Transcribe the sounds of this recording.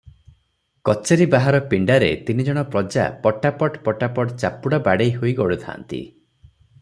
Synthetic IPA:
kɔt͡ʃeɾibaɦaɾɔpiɳɖaɾḛt̪inid͡ʒɔɽ̃ɔpɾɔd͡ʒa̰pɔʈapɔʈpɔʈapɔʈt͡ʃapuɽabaɽejɦojɡɔɽut̪ʰa̰nt̪ḭ

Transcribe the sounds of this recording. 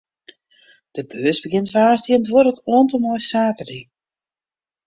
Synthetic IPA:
d̥əbøəsbəɡɪntfaːstiəntwoɾətoəntəmɔjsaːkəri

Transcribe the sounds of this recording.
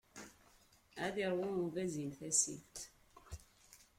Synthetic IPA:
æðiɾˤwʊmuvæzimθæsḭt̪

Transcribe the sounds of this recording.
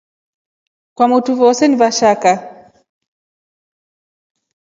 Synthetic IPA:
kwamutuvɔsɛnivaʃaka

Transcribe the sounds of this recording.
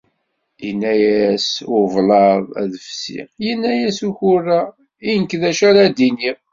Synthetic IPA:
inːæjæsʊvlɑðˤæ̰ðəfsḭjənːæjæsuçʊrːa | inəkðæʃæɾæd̪ini

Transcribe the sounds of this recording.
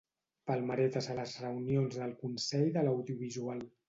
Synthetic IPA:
pəlˠməɾɛt̪əzələzrəunionzðəlˠkunsɛʎðələwðjuβ̞izual

